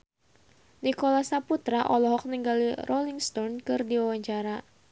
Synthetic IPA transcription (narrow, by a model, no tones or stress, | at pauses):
nikɔlasaput̪ɾaʔɔlɔɦɔk̚niŋɡalirʔɔliŋst̪ɔnkɨrdiwawaɲt͡ʃaɾa